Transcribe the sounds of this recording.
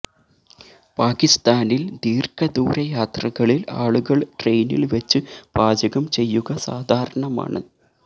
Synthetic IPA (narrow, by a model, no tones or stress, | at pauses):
paːkist̪aːnild̪iːrkɐd̪uːɾɐjaːt̪rɐɣɐɭila̰ːɭuɣɐɭʈre̞jnḭlʋɐt͡ɕːɨb̥aːd͡ʑɐɣɐmt͡ɕe̞jːuɣɐsaːd̪ʱaːɾɐɳɐma̰ːɳɨ̰